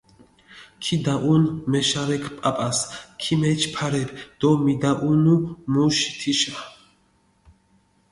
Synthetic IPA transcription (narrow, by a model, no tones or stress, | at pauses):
kʰid̪aʔunmɛʃaɾɛkʰpʼapʼaskʰimɛt͡ʃʰpʰaɾɛbd̪̥ɔmid̪aʔunumuʃi̥t̪ʰiʃa